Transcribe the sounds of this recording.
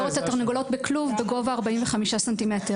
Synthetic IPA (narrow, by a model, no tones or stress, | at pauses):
ʁot̪atoʁniɡolo̞tbekluvbeɡo̞vaːʁbaiɱveχamiʃasantimete